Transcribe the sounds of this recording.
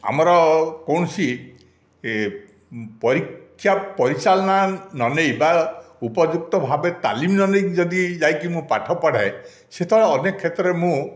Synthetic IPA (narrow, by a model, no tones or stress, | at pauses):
a̰mɔɾɔkɔwɳ̃ɔsi | pɔɾikʰːjapɔɾisalɔnanɔnejbaupɔd͡ʒuk̚t̪ɔbʱabet̪a̰limnɔnejd͡ʒɔd̪id͡ʒajkimũpaʈʰɔpaɽ̤ae | set̪ʰɔɭeɔnekkʰːet̪ɔɾemũ